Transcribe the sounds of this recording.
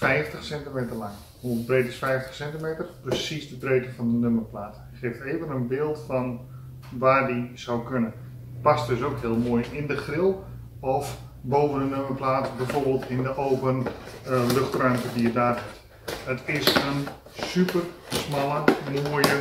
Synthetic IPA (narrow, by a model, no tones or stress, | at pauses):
fɛjftəχsɛntimeːtərlaŋ | hubrejtɪsfɛjftə̥χsɛntimeːtərprəsisdətreːtəfɔndənøməplaːt | χeːfteːvənənbɪːlˠtfɔn | ʋaːrdizawkønən | past̚døsowkɦɪəlˠmoːjɪndəχrɪlˠ | ɔf | bowvəndənøməplaːtbɛjvoːrbeːlˠtʰɪndəʔoːpən | løχtrœɥmtədijədaːrɦɪt | ətʰɪsən | sypərsmalˠəmoəjə